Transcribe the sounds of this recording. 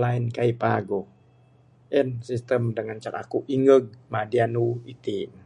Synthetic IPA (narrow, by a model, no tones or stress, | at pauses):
lainkaipaɡo | ɛnsist̪əmdəŋant͡ʃaɾa̰kuʔiŋəɡ̚madianuit̪i